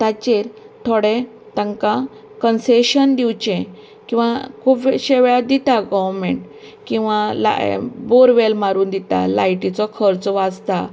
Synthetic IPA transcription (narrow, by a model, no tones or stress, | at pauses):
t̪at͡ɕeɾt̪ʰoɽẽ | t̪əŋkã | kənseɕənd̪iwt͡ɕẽ | kĩw̃ʋakʰuːpʋeɕeʋɭad̪it̪aɡɔʋɾmẽɳʈ | kĩw̃ʋala̰boɾʋelmaɾuːnd̪it̪a̰lajʈit͡sɔkʰəɾt͡sʋad͡zt̪a